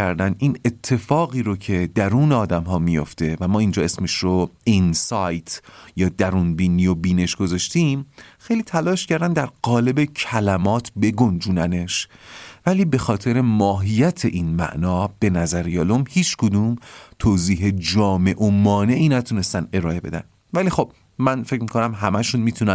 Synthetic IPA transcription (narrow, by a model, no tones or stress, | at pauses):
æɾd̪ænʔiːne̞t̪ʰːe̞fɒːɣiːɾocʰe̞d̪æɾuːneɒːd̪æmɦɒːmijo̞̰ft̪e̞væmɒːind͡ʒɒːe̞smeʃɾoinsɒjt̪ʰjɒːd̪æɾuːnbiːniːjobiːne̞ʃɡ̥o̞zɒʃt̪iːmxejliːt̪ʰælɒːʃcʰæɾd̪ænd̪æɾɢɒːle̞becʰælæmɒːt̪ʰbe̞ɡond͡ʒuːnæne̞ʃvæliːbe̞xɒːt̪ʰe̞ɾe̞mɒːɦijæt̪ʰe̞ʔinmæ̰ʔnɒːb̥e̞næzæɾjɒːlomhiːt͡ʃʰkʰod̪uːmt̪ʰoːziːɦe̞d͡ʒɒːme̞ʔomɒːne̞ʔiːnæt̪ʰune̞st̪æne̞ɾɒːe̞be̞̰d̪æ̰n | væliːxo̞b̥̚ | mænfecmiko̞næmɦæmæʃunmiːt̪ʰunæn